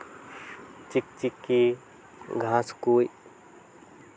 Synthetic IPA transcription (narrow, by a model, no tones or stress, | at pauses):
t͡ʃik̚t͡ʃikːi | ɡʱãːskuːj